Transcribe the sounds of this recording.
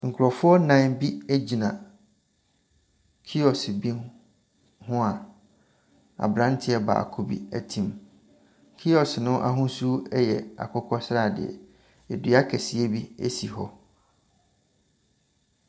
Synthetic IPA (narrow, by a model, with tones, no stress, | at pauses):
ŋ̩˨kʰʊ˨ɾɔ˨fʊ˦ɔ˦nã˦nbi˦æ˦d͡ʑi˨nã˨ | kʰi˦ɔ˨sbi˦ | hʊ̃˦a˨ | a̰˨bɾã˦n˦tʰɪ˦ɛ˦ba̰˨a̰˨kʰo˨bḭ˦æ˦tʰĩ˨m | kʰi˦ɔ˨snʊ̃˦ʔa̰˦ɦʊ̃˦su˦ɛ˦jɛ˨a̰˨kʰʊ˦kʰɔ˦sɾa˦˨dɪ̰˨ɛ̰˨ | ɛ˨dɥa˦kʰɛ˨si˦e˦bi˦ḛ˦si˨ɦɔ˦